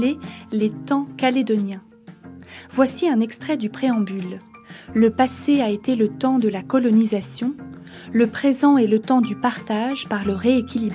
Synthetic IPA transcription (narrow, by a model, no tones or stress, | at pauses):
elet̪ɑ̃kaled̪ɔnjɛ̃ | vwasiɛ̃nɛkst̪χɛd̪ypχeɑ̃bylː | əpaseaet̪elət̪ɑ̃d̪əlakɔlɔnizasjɔ̃ | ləpχezɑ̃elət̪ɑ̃d̪ypaʁt̪aʒpaʁləʁeːkʲilib